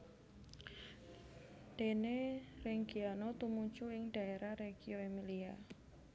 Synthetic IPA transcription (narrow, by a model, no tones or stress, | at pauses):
d̥enerɛŋɡianot̪umut͡ʃuɪŋɖ̥a̤eɾahɾeɡ̥ioemilia